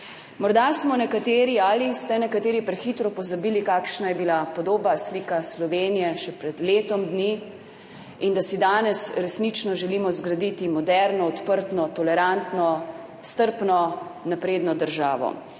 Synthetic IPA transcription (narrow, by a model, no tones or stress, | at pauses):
mɔɾd̪asmɔnɛkat̪eːɾialist̪ɛnɛkat̪eːɾipɾɛxit̪ɾɔpɔzabiːlikaːkʃnajɛbilapɔd̪oːbasliːkaslɔʋeːnijɛʃɛpɾɛd̪leːt̪ɔmd̪ni | ind̪asid̪aːnɛsɾɛsnit͡ʃnɔʒɛliːmɔzɡɾad̪it̪imɔd̪ɛɾnɔɔt̪pəɾt̪nɔt̪ɔlɛɾant̪nɔ | st̪əɾpnɔnapɾeːd̪nɔd̪əɾʒaːʋɔ̰